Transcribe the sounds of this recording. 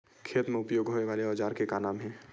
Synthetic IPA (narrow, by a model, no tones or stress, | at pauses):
kʰeːt̪mẽʊpjoːɡɦoːeʋaːleɔːd͡ʒaːɾkekanaːmɦɛ̃ː